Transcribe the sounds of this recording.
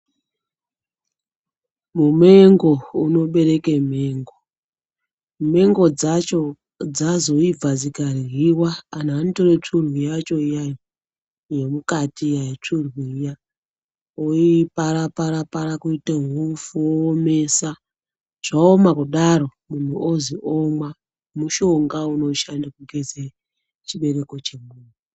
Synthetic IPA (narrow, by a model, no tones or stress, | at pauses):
mume̞ŋɡo̞uno̞ɓe̞ɾe̞kem̤e̞ːŋɡo | me̞ŋɡo̞d͡zat͡ʃo | d͡zazo̞ib͡vazikarɦiwaːnanitoret͡ʂurwijat͡ʃoijaji | jemukatijajit͡ʂurwija | oipaɾapaɾapaɾakuiteŋufuoːmesa | ʐ̥aomakuɗaɾo̞mun̤uʔoziʔomwa | muʃo̞ŋɡauno̞ʃandakuɡʱeze | t͡ʃiɓe̞ɾe̞ko̞t͡ʃe̞muːni